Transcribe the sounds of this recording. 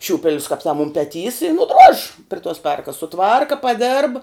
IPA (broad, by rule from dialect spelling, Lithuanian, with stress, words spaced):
ˈʃʲuːpʲɛlʲʊs kɐp tɐm ʊm pʲɛˈtʲiːs ɪ nʊˈdroːʃʲ pʲrʲɪ toːs ˈpʲɛrkɐs sʊˈtʋɐrkɐ pɐˈdʲeːrp